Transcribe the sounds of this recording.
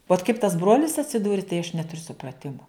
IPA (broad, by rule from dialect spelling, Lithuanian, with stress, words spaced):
ʋoːt kɐɪp tɐs ˈbroːlʲɪs ɐtʲsʲɪˈduːrʲɪ tɐɪ ɐʃ ˈnʲæːtʊrʲʊ sʊprɐˈtʲɪmʊ